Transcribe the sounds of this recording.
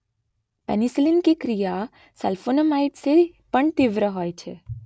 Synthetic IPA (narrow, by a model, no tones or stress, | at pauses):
pɛnislɪnkekɾija | sɛlfonəmaːɪʈse | pəɳt̪ɪʋɾəɦoːet͡ʃʰe